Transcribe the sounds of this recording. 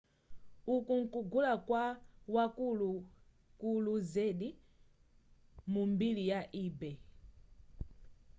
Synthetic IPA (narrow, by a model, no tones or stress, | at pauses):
ukuŋ̩kuɡulakwawakulu | kuluzɛɗi | mumbilijaʔiːbɛ